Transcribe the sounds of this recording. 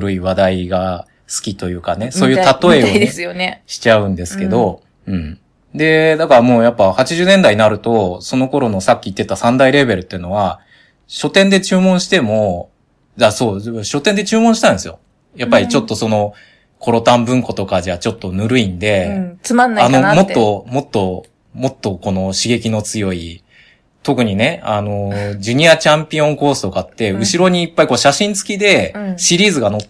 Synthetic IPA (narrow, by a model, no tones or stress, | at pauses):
ɾɯ̟iβad̪aiɡa | sɨ̥kʲit̪o̞jɯ̟ːkane̞so̞ːjɯ̟t̪at̪o̞eojonɕi̥t͡ɕaɯ̟̃nd̪e̞sɨ̥ke̞d̪o̞ | ɯ̟̃ɴ | d̪e̞d̪akaɾamo̞ːjapːahat͡ɕiʑɨːnend̪aiɲinaɾɯ̟t̪o̞so̞no̞ko̞ɾo̞no̞sakʲːiːt̪ːe̞t̪asãnd̪aiɾe̞be̞ɾɯ̟t̪ːeɯ̟no̞βa | ɕo̞t̪ẽnd̪e̞t͡ɕɨːmõɰ̃ɕi̥t̪e̞mo̞ | d̪aso̞ːɕo̞t̪end̪e̞t͡ɕɨːmõ̞ɕi̥t̪ãnesɨjo̞̰ | japːaɾʲit͡ɕo̞t̪ːo̞so̞no̞ | kʰo̞ɾo̞t̪ãmbɯ̟̃ŋko̞t̪o̞kad͡ʑat͡ɕo̞t̪ːo̞nɯ̟ɾɯ̟ĩnd̪e̞anːanomo̞t̪ːo̞mo̞t̪ːo̞ | mo̞t̪ːo̞ko̞no̞ɕiɡe̞kʲino̞t͡sɨjo̞i | t̪o̞kɯ̟ɲ̟ine̞ano̞d͡ʑɨɲ̟iat͡ɕãmpʲiõ̞ŋko̞ːsɨ̥t̪o̞kat̪ːe̞ɯ̟ɕiɾo̞ɲ̟iːpːaiko̞ːɕaɕĩnt͡sɨ̥kʲid̪e̞ɕiɾʲiːzɨɡano